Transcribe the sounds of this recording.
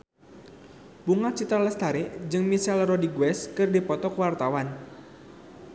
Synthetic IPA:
buŋat͡ʃit̪ɾaləst̪aɾeʔd͡ʒɨŋmisalrɔdiɡwɛskɨrdipɔt̪ɔkwart̪awan

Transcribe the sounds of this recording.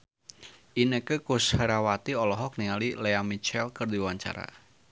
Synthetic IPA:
ʔinəkəkʊshəɾawat̪iɔlɔɦɔk̚niŋalileamit͡ʃɛlkərd̪iwaɲt͡ʃa̰ɾa̰

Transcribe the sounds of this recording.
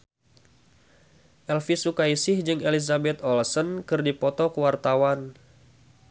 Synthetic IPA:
ʔɛlfisukaisɪhd͡ʒɨŋelizabɛt̪ɔlsənkɨrdipɔt̪ɔkəwart̪awan

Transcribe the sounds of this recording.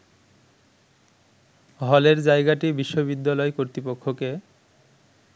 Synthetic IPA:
ɦɔleɾd͡ʑaeɡaʈibiʃːoβid̪ːalɔekoɾt̪ɾipokʰːoke

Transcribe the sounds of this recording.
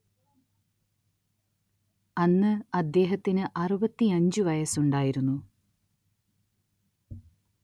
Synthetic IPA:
ɐnːɨɐd̪ːe̞ːɦɐt̪ːinɨʔɐrubɐt̪ːiɐɲd͡ʑɨʋɐjɐsuɳɖaːjiɾunːu

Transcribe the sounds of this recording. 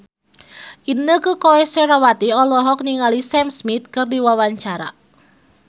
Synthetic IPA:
ʔinəkəkoɛseɾawat̪iɔlɔɦɔk̚niŋalisɛmsmit̪̚kɨrdiwawaɲt͡ʃaɾa̰

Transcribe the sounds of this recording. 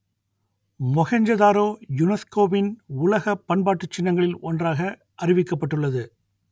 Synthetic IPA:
mɔɣɐɲd͡ʒɐðaːɾoːjʊnɛskoːʋɪnʊlɐɣɐpːɐnbaːʈːɯt͡ʃːɪnːɐŋɡɐɭɪlɔndraːɣɐ | ʔɐrɪʋɪkːɐpːɐʈːɯɭːɐðɯ

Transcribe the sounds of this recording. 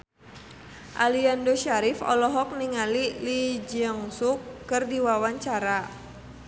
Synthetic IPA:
ʔaliandɔʃaɾifɔ̰lɔɦɔk̚niŋalilid͡ʒəŋsukːɨrdiwawaɲt͡ʃaɾa

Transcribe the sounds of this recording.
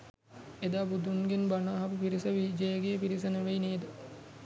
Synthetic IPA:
ed̪aːbud̪unɡenbanaːɦɐpupiɾisəʋid͡ʒejəɡeːpiɾis̬ɐnəʋeineːd̪ə

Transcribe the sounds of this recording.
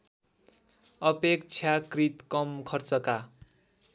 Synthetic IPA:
ʌpekt͡sʰjakrit̪kʌmkʰʌrt͡sʌka

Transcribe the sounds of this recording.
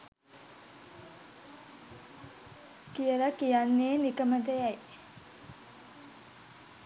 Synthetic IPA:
kijələkijanːeːnikəmət̪əjæj

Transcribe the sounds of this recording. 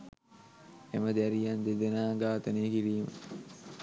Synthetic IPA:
eməd̪æɾijand̪ed̪enaːɡaːt̪əneːkiɾiːmə̰

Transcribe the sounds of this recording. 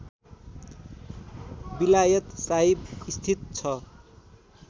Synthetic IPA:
bilajʌt̪saɦibist̪ʰit̪̚t͡sʰʌ

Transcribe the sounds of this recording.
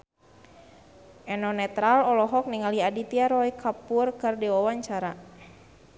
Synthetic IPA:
ʔɛnɔnɛt̪ɾalɔlɔɦɔk̚niŋaliadit̪iaɾɔikʰapurkɨrdiwawaɲt͡ʃaɾa

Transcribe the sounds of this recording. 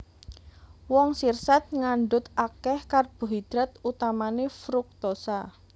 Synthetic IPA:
wɔŋsirsat̪̚ŋaɳɖʊt̪akɛhkarb̥ṳɦid̪̥ɾat̪ut̪amanefɾuk̚t̪osa

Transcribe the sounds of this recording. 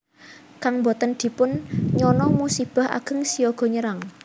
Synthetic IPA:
kaŋmbɔt̪ənd̪̥i̤pʊnɲɔnɔmusib̥a̤ha̰ɡ̥ə̤ŋsijɔɡ̥ɔ̤ɲəɾaŋ

